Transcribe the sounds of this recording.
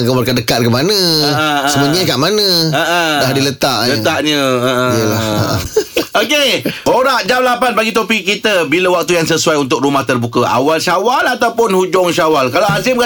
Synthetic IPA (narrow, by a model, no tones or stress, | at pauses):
kəbərkaʔdəkat̪̚kəmanə̃əsəməɲakaʔmanə̃əʔədahdilət̪aʔlət̪aʔɲə̃əʔə̃ijəlaəə̰okeoɾaʔd͡ʒamlapanbaɡit̪opiʔkːit̪əbiləwak̚t̪ujaŋsəsuajunt̪ʊk̚rumaht̪ərbukəʔa̰walʃawalat̪awpʊnhud͡ʒɔŋʃawalkalaas̬ɪmka